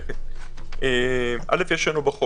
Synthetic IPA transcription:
emʔa̰lefjeʃanubaχo

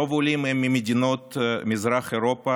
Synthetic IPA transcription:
ovʊlʲimɛmʲːɪmʲɪdʲɪnot̪mʲɪzɾaxɪɾopə

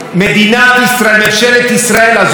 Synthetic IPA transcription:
med̪inavist̪ɾalmet͡ʃɛlet̪isɾaɛlaz

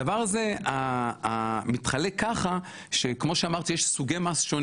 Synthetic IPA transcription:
avaʁaze̞aː | mit̪χale̞kːaχa | ʃe̞kmo̞ʃeamaʁt̪ijeʃsuɡemasʃon

